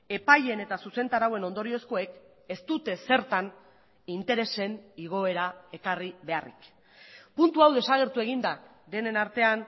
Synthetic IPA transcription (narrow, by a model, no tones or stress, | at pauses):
e̞paje̞ne̞t̪asuse̞nt̪aɾawe̞no̞nd̪o̞ɾio̞sko̞e̞k | e̞st̪ut̪e̞se̞ɾt̪an | int̪e̞ɾe̞se̞niɣ̞o̞e̞ɾae̞kariβe̞arḭk | punt̪uawðe̞saɣ̞e̞ɾt̪ue̞ɣ̞ind̪a | ðe̞ne̞naɾt̪e̞an